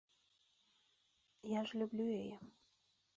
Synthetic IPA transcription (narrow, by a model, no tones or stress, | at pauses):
jaʐlʲublʲuejə